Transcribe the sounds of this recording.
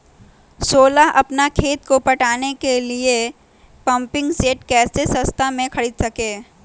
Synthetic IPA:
soːlaʔɐpnakʰeːt̪kopɐʈaːnekelie | pɐ̃mpɪ̃ŋɡseːʈkɛːsesɐ̃st̪ʰamẽkʰɐɽiːd̪sɐkeː

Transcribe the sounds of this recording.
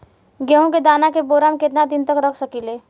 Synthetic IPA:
ɡəɦõked̪aːnakeboːɾaːmkɪt̪nad̪ɪnt̪əkɾəkʰsəkileː

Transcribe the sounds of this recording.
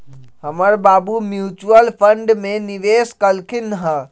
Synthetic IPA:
həməɾbabumjut͡ʃuəlpʰəɳɖmeniʋeskəlkʰinɦə̃

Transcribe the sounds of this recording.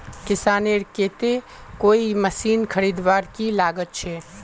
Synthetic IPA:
kɪsaːneɾkeːt̪e | koːiməsiːnkʰɐɾiːd̪ʋaːɾkilaːɡət̪̚t͡ʃʰɛː

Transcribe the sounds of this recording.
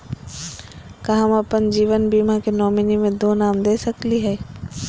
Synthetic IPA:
kɐɦãmɐpənd͡ʑiːʋənbiːmãkenɔːminimẽd̪oːnaːmd̪eːsəkliɦɛː

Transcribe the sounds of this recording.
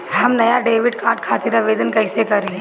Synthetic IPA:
ɦɐmnɐjaɖeːʋɪɖkaːʈkʰaːt̪iɾaʋeːd̪ənkɐːɪsekɐɾeẽ

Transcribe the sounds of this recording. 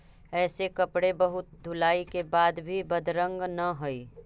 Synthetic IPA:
ɛːsekɐpɽebɐɦʊt̪̚d̪ʱʊlaːikebaːd̪bʱibɐd̪ɾə̃ŋɡnɐɦoiː

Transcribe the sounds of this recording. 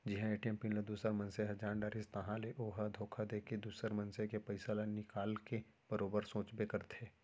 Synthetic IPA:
d͡ʒɪɦãeːʈijəmpinled̪uːsəɾmɐ̃nseɦɐd͡ʒaːɳɖaːɾɪst̪ɐɦãleʔoːɦəd̪ʱoːkʰad̪eːked̪uːsəɾmɐ̃nsekepɐɪsalanɪkaːlke | b̥əɾoːbəɾsõːt͡ʃbekɐɾt̪ʰeː

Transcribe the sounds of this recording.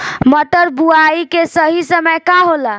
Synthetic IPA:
məʈəɾbuaikesəɦisəməjkaɦola

